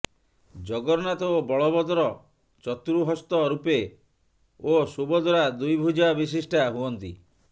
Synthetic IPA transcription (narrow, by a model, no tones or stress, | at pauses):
d͡ʒɔɡɔɾnat̪ɔobɔɭɔbɔd̪ɔɾɔ | t͡ʃɔt̪ɾuɦɔst̪ɔɾupe | osubɔd̪ʱɔɾad̪ujbʱud͡ʒabis̬isʈʰaɦuɔnt̪ḭ